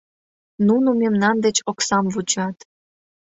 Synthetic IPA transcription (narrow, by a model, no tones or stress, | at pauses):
nunumemnɑnd̪et͡ɕoksɑmvut͡ɕɑt̪